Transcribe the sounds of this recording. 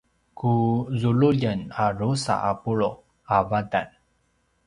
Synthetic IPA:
kuzuluʎənaɾusa̰ʔapuɭo | avadan

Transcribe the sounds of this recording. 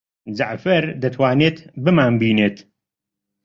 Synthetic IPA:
zaʕfɐɾd̪ɐt̪ʰwaːneːt̪bɨmaːnbiːneːt̪

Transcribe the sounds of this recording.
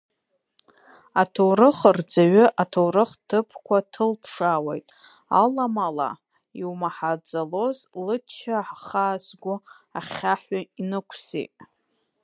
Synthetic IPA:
atʰowrɨχərd͡zaɥʏʔatʰowrɨχtʰɨpʰkʷʰatʰɨlpʰʂawḛjtʼ | a̰lamala̰ | iwmaħad͡zalo̞zlɨt͡ʃʰaħχaːzɡʷʊ | aχʲaħʷainɨkʷʰsḭtʼ

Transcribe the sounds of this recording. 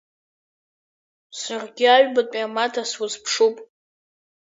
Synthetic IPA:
sarɡʲɪaɥbatʼamatʰaswazpʰʂupʼ

